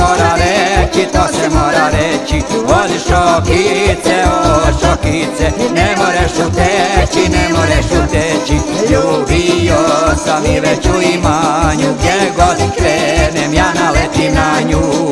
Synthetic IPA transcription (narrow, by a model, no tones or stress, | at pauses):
oɾaɾɛt͡ʃit̪osɛmoɾaɾɛt͡ɕioliʃokit̪sɛoʃokit̪sɛnɛmojɛʃut̪ɛt͡ʃinɛmojɛʃut̪ɛt͡ʃijubijosamiʋɛt͡ɕuimaɲuɡd̪jɛɡod̪ikɾenemjanalɛt̪inaɲu